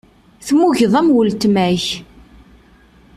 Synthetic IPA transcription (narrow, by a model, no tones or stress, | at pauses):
θmuʝəðˤæmwəlt̪mæç